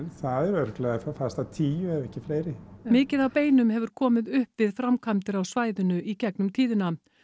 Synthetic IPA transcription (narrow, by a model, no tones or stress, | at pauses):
nθaðɛɾœɾ̥klɛɣafafast̪at̪ʰiːjʏɛvɛhcɪfleːjɾɪmɪːcɪðawpeːjnʏmhɛvʏɾ̥kʰɔːmɪðʏhpvɪðfɾamkʰamt̪ɪɾawsvaːjðʏnʏʔicɛknʏmt̪ʰiːðɪna